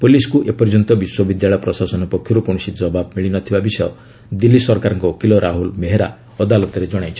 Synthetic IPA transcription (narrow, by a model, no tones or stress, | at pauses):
puliskuʔepɔɾd͡ʒɔnt̪ɔbiswɔbid̪jaɭɔjɔpɾɔsasɔnɔpɔkʰjɔɾukɔ̃usid͡ʒɔbab̚miɭinɔt̪ʰibabisɔjɔ | d̪ilːisɔɾkaɾɔŋkɔkilɔɾʔaɦulmeɦeɾa̰ | ɔd̪alɔt̪ɔɾed͡ʒɔɽ̃ajt͡ʃʰɔ